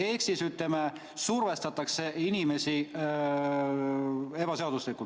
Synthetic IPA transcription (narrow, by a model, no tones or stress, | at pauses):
e̞ksisyt̪leme | surve̞st̪ɑt̪ːˑɑkse̞inime̞si | e̞bɑse̞ɑd̪̥uslikult̪